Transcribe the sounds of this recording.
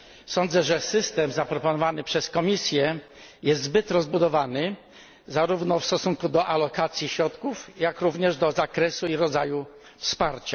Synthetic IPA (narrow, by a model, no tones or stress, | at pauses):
sɔnd̪zɛʐɛsɘst̪ɛmzapɾɔpɔnɔvanɘpʂɛskɔmʲisʲjɛ | jɛst̪zbɘt̪ɾɔzbud̪ɔvanɘ | zaɾuvnɔfst̪ɔsuŋkud̪ɔʔalɔkat̪sʲjiɕɾɔt̪kufjakɾuvɲɛʐd̪ɔzakɾɛsuiɾɔd̪zaju | fspaɾt͡ɕa